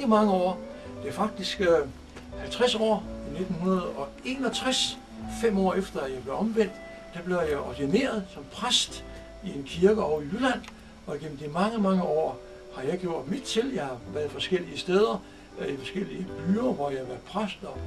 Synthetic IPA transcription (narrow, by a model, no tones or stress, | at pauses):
əmɑ̈ŋəɒ̰ːd̥e̝æɐfɑ̈ɡ̥̚d̥isɡ̥ | hælt͡sʰʁasɒ̰ːine̝d̥n̩hunɐð̩ˠɒ̽ | e̝ːnɒ̽t͡sʰʁas | fem̰ɒ̰ːefd̥ɐæjɑ̈ɪb̥le̝ʊɒ̽mʋen̰d̥ | d̥æb̥le̝ʊjɑ̈ɪʔɒdene̝̰ːɐð̞ˠsɒ̽mpʰʁasd̥ | ie̝nkʰiɐɡ̥əɒʊijylæn̰ | ɒ̽iɡ̥em̰m̩d̥imɑ̈ŋəmɑ̈ŋəɒ̰ː | hɑ̈jɑ̈ɪɡ̥jo̝ɐ̰d̥mid̥̚t͡sʰe̝ljɑ̈ɪhɑ̈ʋæɐðˠfɒ̽sɡ̥el̰iəsd̥eːð̞ˠɐ | ifɒ̽sɡ̥el̰iəb̥yːɐʋɒjɑhæʋæɐðˠpʰʁasd̥ɒ̽